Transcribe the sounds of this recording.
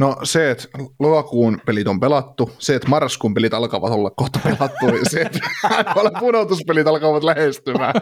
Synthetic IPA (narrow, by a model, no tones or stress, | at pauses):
noseːt̪lokɑkuːnpelit̪ompelɑt̪ːuseːt̪mɑrskuːmpelit̪ɑlkɑ̰ːʋɑt̪olːɑkkːoht̪ɑpelɑt̪ːuseːt̪ɑolempunot̪uspelit̪ɑlkɑʋɑt̪læhest̪ymæː